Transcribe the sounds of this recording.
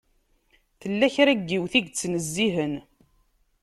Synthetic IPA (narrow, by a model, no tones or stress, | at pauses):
θəlːæçɾæɡːiwθiɡt͡sːnəzːiɦən